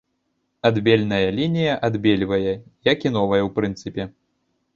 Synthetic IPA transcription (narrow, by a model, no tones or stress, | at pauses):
ad̪bʲelʲnɐjɐlʲinʲijɐʔad̪bʲelʲvɐjɐjɐkinɔvɐjɐwpɾɨnt̪sɨpʲɛ